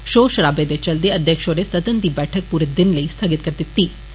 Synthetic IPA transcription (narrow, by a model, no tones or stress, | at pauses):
ʃoːʃɐɾaːbeːd̪et͡ʃɐld̪eɐd̪ʱjɐkʂoːɾesɐt̪ɐnt̪ibɛːʈʰɐk̚puːɾed̪inlɐist̪ʰɐɡit̪kɐɾt̪it̪ːi